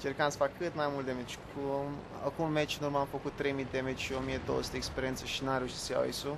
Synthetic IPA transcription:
t͡ʃerkamsə̥fakːɨt̪majmult̪d̪emet͡ʃʲkʰum | a̰kumːet͡ʃɨnuɾmamfəkut̪ːɾe̞jmid̪emet͡ʃʲʃio̞mijed̪owo̰su̥t̪ekspeɾient̪səʃinamɾeuʃit̪səja̰wḛsu

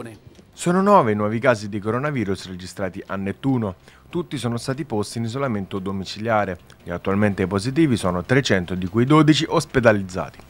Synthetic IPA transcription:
sɔːnonɔːveinwɔːvikaːzid̪ikoɾonaviːɾusred͡ʒist̪ɾaːt̪iʔanːet̪ːuːnot̪ut̪ːisɔːnost̪aːt̪̬ipost̪iːnizolament̪od̪omit͡ʃiljaːɾeʎiat̪ːualment̪epozit̪̬iːvisɔːnot̪ɾet͡ʃɛnt̪od̪ikujd̪oːd̪it͡ʃiʔosped̪alid̪zːa̰ːt̪i̥

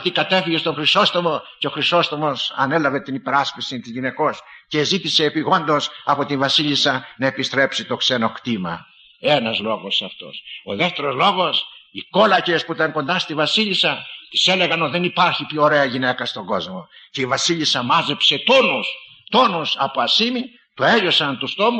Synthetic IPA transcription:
ɐt̪ikɐt̪efiʝest̪o̞xɾiso̞st̪omo̞ceoxɾiso̞st̪omo̞sɐ̰ne̞lɐve̞t̪inipe̞ɾɐspisint̪izʝine̞ko̞sce̞zit̪ise̞ːpiɣo̞nd̪o̞sɐpo̞t̪invɐsiʎisɐnɐe̞pist̪ɾe̞psit̪o̞kseno̞xt̪imɐ̰ | enɐzlo̞ɣosɐft̪o̞̰so̞̰ðeft̪e̞ɾo̞zlo̞ɣo̞siko̞lɐcespuit̪ɐŋkond̪ɐst̪ivɐsiʎisɐt̪i̥se̞leɣɐnot̪iðenipaɾçipçoːɾe̞ɐʝinekɐst̪o̞ɡo̞zmo̞ceivɐsiʎisɐmɐzepse̞t̪onus | t̪o̞nusɐpoɐsimi | t̪oeʝo̞sɐnt̪ust̪o̞mu

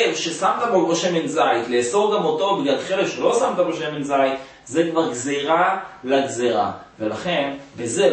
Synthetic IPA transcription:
vʃesamt̪abolbeʃemenzajt̪leːso̞ʁɡamot̪o̞biljad̪χeleʃelo̞samt̪abeʃemenzajt̪ | zekvaʁɡzeʁalaɡzeʁa̰velaχe̞nbeze

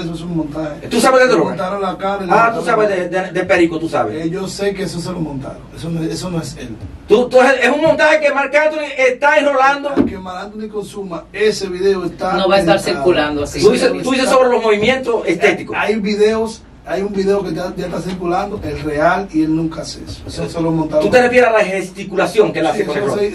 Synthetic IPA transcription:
esoesuŋmõnt̪ahet̪usaβeðed̪eomot̪aɾolakaβeat̪usaβezðed̪ed̪epeɾikot̪usaβeʝosekees̬os̬elomõnt̪a̰ɾoesonoeesonoesḛlt̪ut̪ueseesuŋmõnt̪ahekemaɾkant̪oniest̪aenoland̪okemaɾant̪onikonsumaeseβiðeoest̪anoβaest̪aɾsiɾkuland̪oasiuðiset̪uðisesoβɾelo̞zmoβimjẽnt̪oseset̪ikoajbiðeos | ajumbiðeokeaʝat̪asiɾkuland̪oʔelrealielnũŋkaasḛso̥esoselomõnt̪aðut̪e̞refjeɾealahest̪ikulasjoŋkelasekoeɾoe

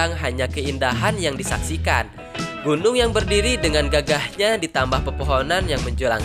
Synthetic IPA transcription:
aŋɦaɲakəindaɦanjaŋdisa̰ksikan | ɡunʊŋjaŋbərdiɾidəŋanɡaɡahɲadit̪ambahpərpoɦonanjaŋməɲd͡ʒula̰ŋ

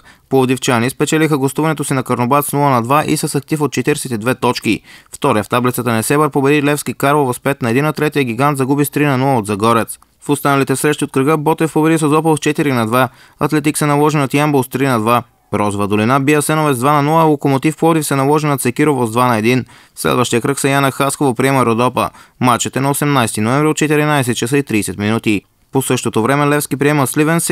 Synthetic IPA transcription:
poɔd̪ift͡ʃanispɛt͡ʃɛlixəɡost̪uvɐnɛt̪osinɐkɐɾnobat̪snulˠənɐd̪vaʔḭsɐsɐk̚t̪ifot̪̚t͡ʃɛt̪iɾsit̪ɛd̪vɛt̪ɔt͡ʃkift̪ɔɾjəft̪ablit̪sət̪ənɛsɛbəɾpobɛd̪ilɛfskikaɾlˠovospɛt̪nɐɛd̪inːɐt̪ɾɛt̪ijəɡʲiɡant̪zɐɡubist̪ɾinɐnulˠəod̪zɐɡɔɾɛt̪s | fost̪anɐlit̪ɛsɾɛʃt̪iot̪̚kɾəɡɤbɔt̪ɛfpobɛd̪isəzɔpəlst͡ʃɛt̪iɾinɐd̪va | ɐt̪lɛt̪iksɛnɐlˠɔʒɛnot̪jambolˠst̪ɾinɐd̪va | ɾɔzovɐd̪olinabijəsɛnovɛzd̪vanɐnulˠəlˠokomot̪ifpɔd̪ifsɛnɐlˠɔʒɛnot̪sɛkiɾovozd̪vanɐɛd̪in | slɛ̰d̪vəʃt̪ijəkɾəksɛjanɐxaskovopɾiɛmɐɾod̪ɔpə̰mat͡ʃɛt̪ɛnɐosɛmnajst̪inovɛmvɾiot̪̚t͡ʃɛt̪iɾinaɛsɛt̪̚t͡ʃɛsəit̪ɾiːsɛt̪minut̪i | posɤʃt̪ot̪ovɾɛmɛlɛfskipɾiɛməslivɛns

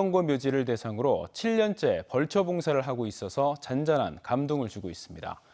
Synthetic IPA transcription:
ʌŋɡwʌmjod͡ʑiɾɯɭt̬e̞sʰaŋɯɾot͡ɕʰiʎːʌnt͡ɕ͈e̞pʌɭt͡ɕʰʌboŋsʰaɾɯɭɦaɡois͈ʌsʰʌt͡ɕand͡ʑanɦa̰nkamdoŋɯɭt͡ɕuɡois͈ɯmɲida̰

